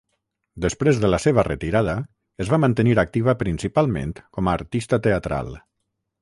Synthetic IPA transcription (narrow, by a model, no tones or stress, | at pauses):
d̪əspɾezðələseβərət̪iɾað̞ə | əzβamənt̪əniɾak̚t̪iβəpɾinsipalˠmḛnt̪kɔmaːɾt̪ist̪ət̪eat̪ɾa̰lˠ